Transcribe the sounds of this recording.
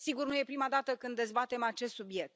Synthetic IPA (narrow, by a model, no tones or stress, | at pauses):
siɡurnuje̞pɾimad̪at̪əkɨnd̪ːe̞zbat̪e̞mat͡ʃe̞st̪subje̞k̚t̪